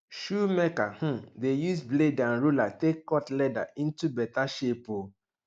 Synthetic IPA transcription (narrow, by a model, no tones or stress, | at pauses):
ʃumɛkahũdejusbledãnɹulatekːɔtlɛda̰ĩntubɛtaʃepo